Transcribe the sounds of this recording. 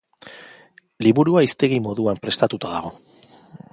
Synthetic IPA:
liβuɾuaist̪e̞ɣimo̞ðuampɾe̞st̪at̪ut̪aðaɣ̞o̞

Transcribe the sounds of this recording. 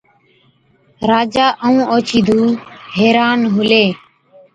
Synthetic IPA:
ɾaːd͡ʒaːʔəũːʔoːt͡ʃiːd̪ʱuːɦeːɾaːnɦʊleː

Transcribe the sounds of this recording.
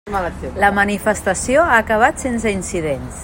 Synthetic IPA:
maləsləmənifəst̪əsioaːkəβ̞at̪sens̬əinsiðens

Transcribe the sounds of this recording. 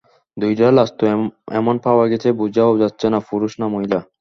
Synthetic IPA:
d̪ujɖalast̪oɛ̰monpaoaɡet͡ɕʰebud͡ʑaod͡ʑatːɕʰenapuɾuʃnamoɦila

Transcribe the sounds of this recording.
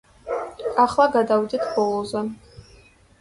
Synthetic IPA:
aχlaɡadawditʰbolozan

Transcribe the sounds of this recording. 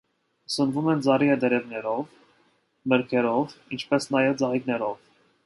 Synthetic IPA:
sənvumɛnd͡zɑɾiɛd̪əɾɛvnɛɾɔv | məɾkʰɛɾɔvint͡ʃʰpɛsnɑjɛvd͡zɑʁit̪nɛɾɔv̥

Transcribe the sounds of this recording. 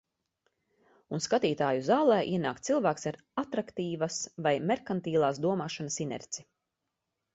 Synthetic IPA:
unskat̪iːt̪aːjuzaːlˠɛːʔiɛnaːkt̪silˠvæːksaɾ | at̪ɾakt̪iːvasvajmɛɾkant̪iːlˠaːsd̪uɔmaːʃanasinɛ̰ɾt̪si

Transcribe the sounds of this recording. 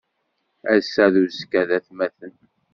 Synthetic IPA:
æsæðuskæðæθmæθən

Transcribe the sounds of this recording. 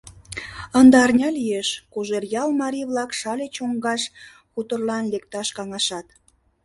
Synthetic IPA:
ənd̪ɑrnʲɑlijeʃkuʒerjɑlmɑɾiβlɑkʃɑlʲet͡ɕoŋɡɑʃ | xut̪ərlɑnlek̚t̪ɑʃkɑŋɑʃɑt̪

